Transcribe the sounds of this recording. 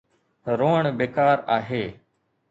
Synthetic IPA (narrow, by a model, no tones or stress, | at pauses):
ɾoːɳbeːkaːɾaːɦeː